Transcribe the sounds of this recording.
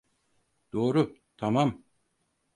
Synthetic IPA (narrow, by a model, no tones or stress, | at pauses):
d̪̥o̞ːɾʊt̪ʰamam